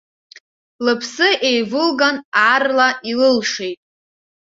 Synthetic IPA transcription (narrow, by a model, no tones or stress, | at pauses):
lɨpʰsɨʔejvɨlɡanarlaʔilɨlʂejtʼ